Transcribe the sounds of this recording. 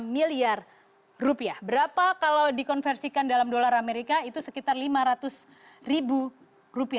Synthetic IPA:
miliar | rupiahbəɾapakalawdikɔnfɛrsikandalamdolaɾameɾikait̪usəkit̪arlimaɾat̪ʊs | ribu | rupia

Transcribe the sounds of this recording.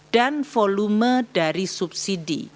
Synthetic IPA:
d̥anfɔlumədaɾisup̚sidḭ

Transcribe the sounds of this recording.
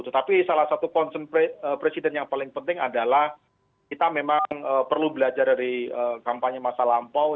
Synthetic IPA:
t̪ut̪apisalasat̪ukɔnsənpeəpɾesidɛnjaŋpalɪŋpənt̪ɪŋadalah | kit̪amemaŋŋəpərlubəlad͡ʒardaɾiəkampaɲəmasalampaw

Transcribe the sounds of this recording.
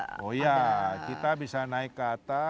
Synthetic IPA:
ojakit̪abisanaɪkːaːt̪a

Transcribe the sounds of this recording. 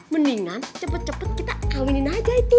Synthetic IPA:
məniŋant͡ʃəpət̪̚t͡ʃəpət̪̚kit̪akawininad͡ʒait̪i

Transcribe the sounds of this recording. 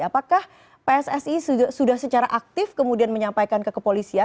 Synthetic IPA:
apakah | peɛsɛsisusudahsət͡ʃaɾaʔak̚t̪ɪfkəmudianməɲampajkankəkəpolisia

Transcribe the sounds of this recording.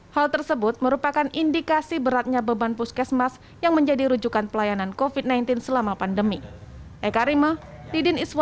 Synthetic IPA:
halt̪ərsəbʊt̪̚məɾupakanindikasibəɾat̪̚ɲabəbanpuskɛsmas | jaŋməɲd͡ʒadiɾud͡ʒukanpəlajanankofid̪̚najnt̪ɪnsəlamapandəmiʔɛkaɾimadidɪniswa

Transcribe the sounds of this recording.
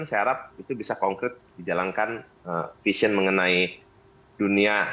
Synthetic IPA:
nseaɾap̚it̪ubisakɔŋkɾɪt̪̚did͡ʒalaŋkan | əfiʃiənməŋənai | dunia

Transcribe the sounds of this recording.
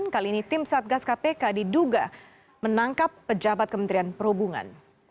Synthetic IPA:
nkaliːnit̪ɪmsat̪̚ɡaskapekadiduɡa | mənaŋkapːəd͡ʒabat̪̚kəmənt̪ɾianpəɾhubuŋa̰n

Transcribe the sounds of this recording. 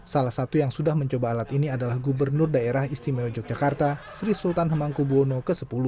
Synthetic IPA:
salahsat̪ujaŋsudahməɲt͡ʃobaːlat̪iniadalahɡubərnʊrdaeɾahist̪imeod͡ʒɔk̚d͡ʒakart̪asɾisult̪anɦəmaŋkubonokəsəpulu

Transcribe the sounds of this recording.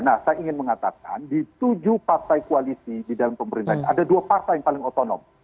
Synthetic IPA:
nahsajaiŋɪnməŋat̪aka̰ndit̪ud͡ʒupart̪ajkualisididalampəməɾint̪ahɲaʔadaduapart̪ajaŋpalɪŋot̪onɔ̰m

